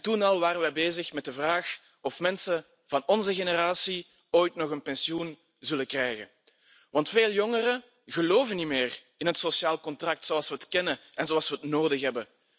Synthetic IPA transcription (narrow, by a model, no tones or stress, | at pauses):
tunɑlˠʋaːɾəʋɛbeːzəxmɛt̚dəvraːx | ɔfmɛnsə | v̥ɑnɔnzəɣenəraːsi | oːjtnɔxənpɛnsiun | zɵləkrɛjɣə̰ | ʋɑntfeːlˠjɔŋərə | ɣəloːvənimeːr | ɪnɦətsosjaːlˠkɔntrɑk̚tsoɑlˠswəətkɛnəɛnzoɑlˠswəətnoːdəxɦɛbə